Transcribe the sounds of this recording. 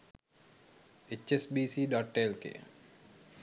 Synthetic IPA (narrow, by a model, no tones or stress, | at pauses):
et͡ʃesbiːsiːɖɔʈːelkḛ